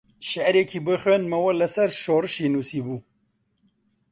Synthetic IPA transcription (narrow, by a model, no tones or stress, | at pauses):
ʃɛʔɾekʰiːbɨxwenmɐwɐlɐsɐɾʃoːrɨʃeːnuːsiːbuː